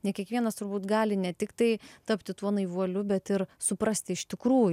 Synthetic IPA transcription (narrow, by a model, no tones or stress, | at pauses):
nʲɛkʲiɛkʋʲiɛnɐst̪ʊɾbuːt̪ɡɑːlʲɪnʲɛt̪ʲɪkt̪ɐɪt̪ɐpʲt̪ʲɪt̪uɔnɐɪʋuɔlʲʊbʲɛt̪ɪɾsʊpɾɐsʲt̪ʲɪɪʃt̪ʲɪkɾuːjʊ